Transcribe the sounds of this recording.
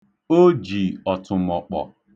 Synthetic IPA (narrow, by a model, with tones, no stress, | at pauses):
o˦d͡ʒi˨ɔ˨tʊ˨m̩˨ɔ˨k͡pɔ̰˨